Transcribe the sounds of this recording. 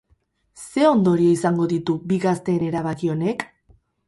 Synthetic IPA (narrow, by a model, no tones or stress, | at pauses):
se̞o̞nd̪o̞ɾie̞isaŋɡo̞ðit̪ubiɣast̪e̞ːne̞ɾaβ̞akio̞ne̞k